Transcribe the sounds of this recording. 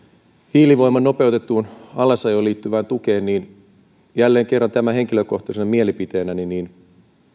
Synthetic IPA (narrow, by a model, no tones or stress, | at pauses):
hiːliʋo̞imːˑɑnno̞peut̪et̪ːuːnɑlːˑɑsɑjoːliːt̪ːyʋæːnt̪ukeːnniːn | jælːeːŋkerːɑnt̪æmæɦeŋkiløko̞ht̪ɑsenɑmielipit̪eːnæniniːn